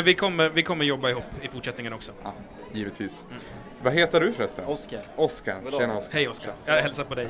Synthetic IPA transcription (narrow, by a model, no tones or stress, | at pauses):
vɪkʰɔmːəɾvɪkʰɔmːəɾjɔbːaɪɦuːpːɪfʊʈʂɛt̪nɪŋənɔksɔ | jiːvət̪ʰviːs | vaɦeːt̪əɖɵfɾɛst̪ə̰ɔska̰ɾeːaɔshɛjɔska̰jɑːhɛlsapɔd̪ɛj